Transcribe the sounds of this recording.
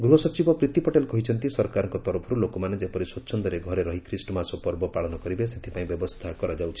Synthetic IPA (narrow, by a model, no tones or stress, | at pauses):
ɡɾuɦɔsɔt͡ʃibɔpɾit̪ipɔʈelkɔɦit͡ʃʰɔnt̪isɔɾkaɾɔŋkɔt̪ɔɾɔpʰɔɾulokɔmaned͡ʒepɔɾiswɔtːʃʰɔnd̪ɔɾeɡʱɔɾeɾɔɦikʰɾisʈɔmasɔpɔɾbɔpaɭɔnɔkɔɾibeset̪ʰipaĩbjɔbɔst̪ʰakɔɾad͡ʒawt͡ʃʰi̥